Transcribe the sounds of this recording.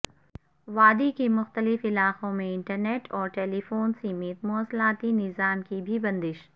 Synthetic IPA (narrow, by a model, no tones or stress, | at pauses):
ʋaːd̪ikemʊxt̪əlɪfɪlaːqõmẽɪ̃ɳʈəɾneːʈɔːɾʈeːlifoːnsimɪt̪mʊəslaːt̪inɪzaːmkibʱibɐ̃nd̪ɪʃ